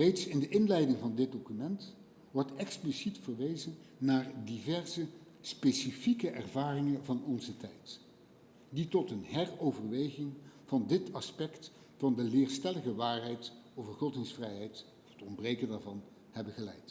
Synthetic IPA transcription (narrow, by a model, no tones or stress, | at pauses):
rejtsɪndəʔɪnlɛjdɪŋvɑndɪd̚dokymɛnt | ʋɔɹtɛksplisitfəɹʋejzənː | aːɹdivɛɹzə | spesifikəʔɛrvaːrɪŋənvɑnɔnzətɛjt | ditɔtənɦɛrowvərʋejχɪŋv̥ɑndɪtɑspɛkt | fɑndəlɪːɹstɛləχəʋaːɹɦɛjtowvərχɔtɪŋsfrɛjɦɛjt | ɔfətɔmbrejkəndaːɹvɑn | hɛbəχəlɛ̰jt